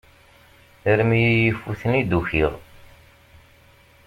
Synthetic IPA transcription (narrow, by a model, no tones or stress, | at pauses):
əɾmijjəfuθənid̪uçiʁ